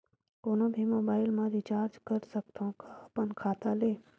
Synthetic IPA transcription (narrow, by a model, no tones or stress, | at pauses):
koːnõbʱimoːbaːɪlmãd̪ʱit͡ʃaːɾd͡ʒkəɾsəkt̪ʰõkapənkʰaːt̪aleː